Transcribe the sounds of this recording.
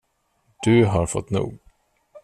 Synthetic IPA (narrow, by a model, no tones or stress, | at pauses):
d̪̥ɵɦaɾfɔt̪ːnṵːɡ